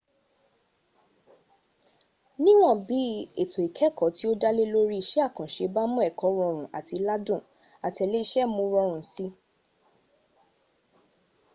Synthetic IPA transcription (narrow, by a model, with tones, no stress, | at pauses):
nĩ˦w̃ɔ̃˦˨bi˨˦e˦˨to˨i˨kʰɛ˨˦kɔ˨˦ti˦o˦da˦le˦lo˦ɾi˦˨ʃe˦a˦˨kã˨ʃe˧˦ba˦mũ˦ɛ˦˨kɔ˨˦ɾɔ˧ɾ̃ũ˨ʔa˨ti˧la˦dũ˦˨ | a˨tɛ˨le˦i˦ʃɛ˦mũ˧˦ɾɔ˧ɾ̃ũ˨si˧˦